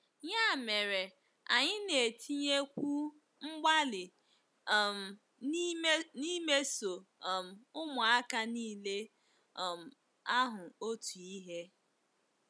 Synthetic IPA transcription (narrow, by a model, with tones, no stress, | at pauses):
ɲa˦˨me˨ɾe˨ | a˨ɲɪ˦ne˨tʰi˦ɲe˦kʷu˦ | ŋ͡m̩˦ɡ͡ba˦lɪ˨ | m̩˨˦ | ni˦me˦so˨m̩˨ʊ˦mʊ˨a˦ka˦niː˦le˦˨ | m̩˨ | a˦ɦʊ˨o˦tu˨i˦ɦe˦